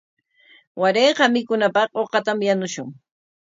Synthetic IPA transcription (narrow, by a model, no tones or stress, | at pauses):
waɾeːqɑmɪkʊnapɑqoqɑt̪amjanʊʃʊŋ